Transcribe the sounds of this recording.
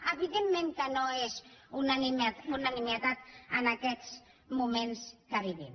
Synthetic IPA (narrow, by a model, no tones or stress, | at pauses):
əβiðemːẽŋkənoezunanimat̪unanimiət̪at̪ənakɛt͡s | mumenskəβiβim